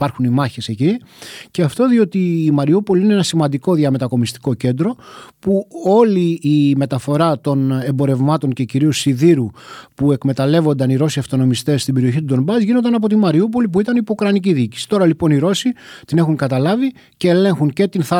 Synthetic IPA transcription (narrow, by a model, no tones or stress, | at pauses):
ɐɾxunimɐçese̞ciceɐft̪o̞ðio̞t̪iːmɐɾiupo̞liineenɐsimɐnd̪iko̞ðiɐme̞t̪ɐko̞mist̪i̥ko̞ce̞nd̪ɾo̞puo̞liːme̞t̪ɐfo̞ɾɐt̪o̞ne̞mbo̞ɾe̞vmɐt̪o̞ŋce̞ciɾiosiðiɾupuekme̞t̪ɐle̞vo̞nd̪ɐniɾo̞siɐft̪o̞no̞mist̪e̞sːt̪ibe̞ɾio̞çit̪ud̪o̞mbɐzʝino̞nd̪ɐnɐpo̞t̪imɐɾiup̬o̞lip̬uit̪ɐnipoukɾɐniciðiːci̥si̥t̪o̞ɾɐlipo̞niɾo̞sit̪ine̞xuŋkɐt̪ɐlɐvi | ce̞ːle̞ŋxuŋce̞t̪inθɐ